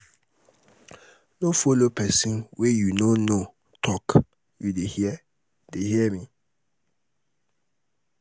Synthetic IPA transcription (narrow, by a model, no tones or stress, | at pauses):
nõfolopʰɛsĩnwɛjunõnõ | tʰɔk | judehiɛ | dehiɛmĩ